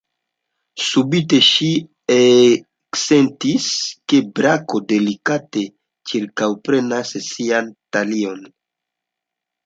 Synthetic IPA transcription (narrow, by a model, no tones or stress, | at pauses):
subite̞ʃi | e | ksentiske̞bɾako̞de̞likate̞ | t͡ʃiɾkawpɾe̞nassiantalio̞n